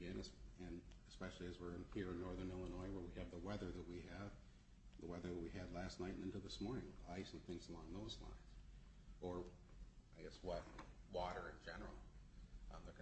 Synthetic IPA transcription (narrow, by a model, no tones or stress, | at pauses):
ɛ̃nɨsɨ̃nɨspɛʃl̩ˠiɨzwɪɹɨ̃nhiɹɨ̃nːɔɹðə̃˞nɪlˠənɔɪwə˞wiɨvðəwɛðə˞ðɨt̚wiɨv̥ | ðəwɛðə˞ðɨt̚wiɨdˡlæstⁿnaɪɾn̩ɪ̃ntl̩ˠðɪsmɔɹnɪ̰̃ŋaɪsʌ̃mθɪ̃ŋzəlɔ̃ŋðoʊz̥lã̰ɪ̃nz̥ | ə˞aɪɡɛswʌt̚wɔɾə˞ɨ̃nd͡ʒɛnə̰˞l̩ˠ | ðə